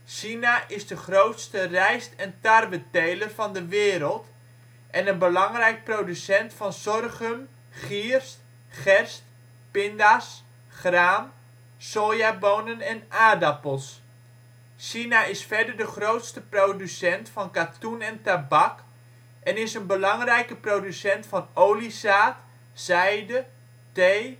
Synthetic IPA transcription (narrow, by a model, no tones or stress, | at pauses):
ʃinaʔɪzdəχrowtstərɛjstɛntarʋətejlərvɑndəʋɪːɾəlˠt | ʔɛnənbəlɑŋrɛjk̚prodysɛntfɑnsɔrχəm | χirst | χɛrst | pɪndas | χraːm | soːjaboːnənɛnaːdapəlˠs | sinaɪsfɛɹdəɹdəχrowtstəprodysɛntfɑnkatunɛntabɑk | ʔɛnɪsənbəlɑŋrɛjkəprodysɛntfɑnowlisaːt | z̥ɛjdə | tej